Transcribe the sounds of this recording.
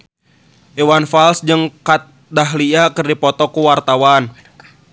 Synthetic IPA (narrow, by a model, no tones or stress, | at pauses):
ʔiwanfalsd͡ʒɨŋkat̪̚ | daɦliakɨrdipɔt̪ɔkuwart̪awan